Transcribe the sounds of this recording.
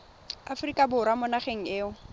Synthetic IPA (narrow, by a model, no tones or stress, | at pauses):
afʊrikʼabʊɾamʊnaχeŋ̩ɪːʊ